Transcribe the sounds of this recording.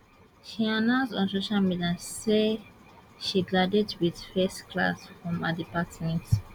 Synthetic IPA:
ʃianãnsdɔ̃nsoʃalmidãse | ʃiɡadɛdwiðfɛstkla̰sfɹɔ̃madipatmɛ̃nt

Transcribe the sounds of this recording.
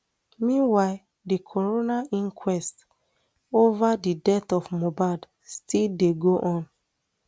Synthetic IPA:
mĩnwaɪ | dikʰɔɹonaʔĩŋkʰwɛst | ovadidɛtɔfmobad | stildeɡoʔɔ̃n

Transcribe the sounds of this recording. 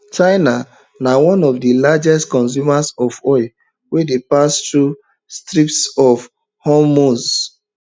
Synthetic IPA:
t͡ʃaɪna | nawɔ̃nɔvdilad͡ʒɛstkɔ̃ns̬jumasɔvɔɪl | wɛdepastɹu | stɹiptsɔv | hɔmoz

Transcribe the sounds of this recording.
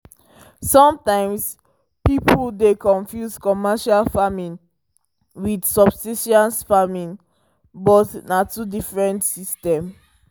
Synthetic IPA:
sɔ̃mtãɪ̃ms | pipldekɔ̃nfjuskɔmɛʃalfamĩn | widsɔbsiʃãnsfamĩn | bɔtnatudifɹɛ̃ntsistɛ̃m

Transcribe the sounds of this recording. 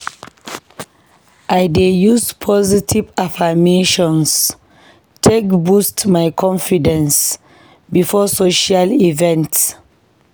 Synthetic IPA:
ʔajdejuspʰɔzitʰivafameʃɔ̃ns | tʰekbustmajkʰɔ̃nfidɛ̃ns | bifɔsoʃalivɛ̃nts

